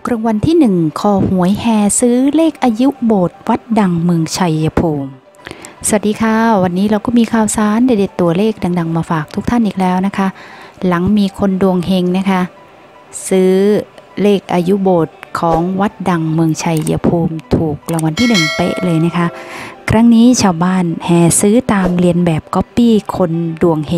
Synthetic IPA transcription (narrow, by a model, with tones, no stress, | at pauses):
kɾa˧ŋwa˧nt̪ʰiː˥˩nɯ˨˩ŋkʰɔː˧˩hu˨˩˦əjhɛː˧sɯː˦˥leː˥˩k̚ʔaː˧ju˦˥boː˨˩t̪̚wa˦˥t̪̚da˧ŋmɯ˧əŋt͡ɕʰa˧jːa˧pʰuː˧m | sa˧wa˨˩t̚diː˧kʰa˧˥˩wa˧nːiː˦˥ɾa˧wkɔː˥˩miː˧kʰaː˧˩wsaː˨˦nlaː˧˩da˧˩t̪ːu˧˩ɐleː˥˩k̚da˧ŋda˧ŋmaː˧faː˨˩k̚t̪ʰu˦˥k̚t̪ʰa˥˩nʔiː˨˩k̚lɛː˦˥wna˦˥kʰa˦˥ʔla˩˦ŋmiː˧kʰo˧ndu˧əŋɦe˧ŋna˦˥kʰa˦˥ | sɯː˦˥leː˥˩k̚ʔaː˧ju˦˥boː˨˩t̪̚kʰɔː˩˦ŋwa˦˥t̪̚da˧ŋmɯ˧əŋt͡ɕʰa˧jːa̰˧pʰuː˧mt̪ʰuː˨˩k̚la˧˩˦ŋwa˧nt̪ʰiː˥˩nɯ˨˩ŋt̪ḛ˦˧˥ʔlɤː˧jna˦˥kʰa˦˥ʔkʰɾa˦˥ŋniː˦˥t͡ɕʰaː˧wbaː˥˩nhɛː˨˩sɯː˦˥t̪aː˧mli˧ənbɛː˨˩p̚kɔ˦˥pːiː˥˩kʰo˧ndu˧˩əŋhe˧ŋ